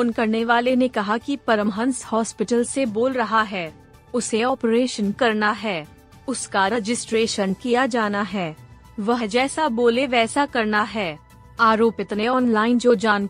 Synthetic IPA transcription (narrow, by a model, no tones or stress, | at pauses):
foːnkɐɾneʋaːlenekɐɦakipɐɾəmɦənshɔːspɪʈəlseboːlɾɐɦaɦɛː | ʊseɔːpɾeːʃənkɐɾnaɦɛː | ʊskaɾɛd͡ʒɪsʈɾeːʃənkijad͡ʒaːnaɦɛː | ʋɐɦd͡ʒɛːsaboːleʋɛːsakɐɾnaɦɛː | aːɾoːpɪt̪neɔːnnlaːɪnd͡ʒoːd͡ʒaːn